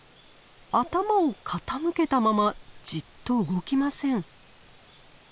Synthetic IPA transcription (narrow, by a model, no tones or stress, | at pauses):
at̪amaokʰat̪amɯ̟ke̞t̪amamad͡ʑit̪ːo̞ɯ̟ɡo̞kʲimasẽ̞ɴ